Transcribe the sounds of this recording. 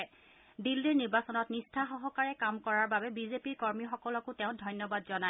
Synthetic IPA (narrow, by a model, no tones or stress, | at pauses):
dilːiɹniɹbasɔnɔtnistʰaxɔɦɔkaɹɛkamkɔɹaɹbabɛbizepiɹkɔɹmixɔkɔlɔkʊtɛʊ̃dʱɔjnːɔbadzɔna